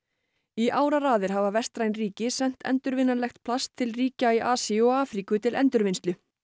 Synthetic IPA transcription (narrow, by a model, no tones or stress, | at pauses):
iʔaːwɾaraːðɪɾ̥ɦavavɛst̪ɾajnriːcɪsɛn̥t̪ʰɛ̰nt̪ʏɾvɪnːalɛxt̪̚pʰlast̪ʰːɪlriːcaiʔaːsiɔɣaːfɾikʏt̪ʰɪlʔɛ̰nt̪ʏɾvɪnst̪lʏ